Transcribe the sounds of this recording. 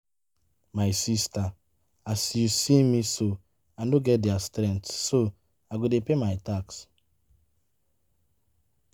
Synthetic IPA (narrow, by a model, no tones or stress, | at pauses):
majsista | asisimiso | andoɡɛdɪastɾɛntːo | aɡʷedepemaɪtaks